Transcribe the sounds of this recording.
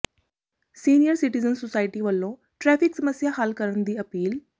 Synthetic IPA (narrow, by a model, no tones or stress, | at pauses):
siːnijəɾsɪʈɪzənsosaːɪʈiːʋəlːõː | ʈɾɛːpʰɪksəməsjaːɦəlkəɾənd̪iːəpiːl